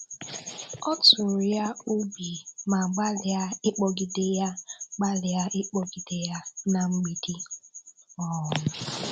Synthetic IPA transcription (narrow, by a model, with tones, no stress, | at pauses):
ɔ˦tʊ˨ɾja˦u˦bi˨ma˨ɡ͡ba˦lɪ˨a˦ɪ˦k͡pɔ˦ɡi˨de˦ja˦ɡ͡ba˦lɪ˨a˦ʔɪ˦k͡pɔ˦ɡi˨de˦ja˦na˨ŋ͡m̩˦ɡ͡bi˨di˦ | ɔ˦˨nʊ˨